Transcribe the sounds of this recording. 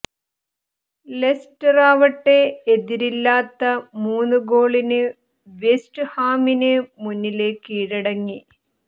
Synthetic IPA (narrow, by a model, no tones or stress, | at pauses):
lesʈɐraːʋɐʈːe̞ːd̪iɾilːaːt̪ːɐmuːnːuɡo̞ːɭinɨ | ʋesʈɨhaːminɨmunːile̞ːkːiːɽɐɽɐŋːi